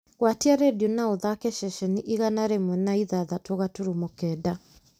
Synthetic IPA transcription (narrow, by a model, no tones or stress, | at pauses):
ɣwatiaɾɛdionaɔðakɛʃɛʃɛniʔiɣanaɾɛmwɛnaiðaðatoɣatuɾumɔkɛda